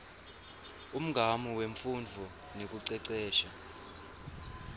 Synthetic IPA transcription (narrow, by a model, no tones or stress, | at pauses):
um̩ɡʱamiweɱfund͡vʱɔ | nek̬uǀɛǀɛːʃa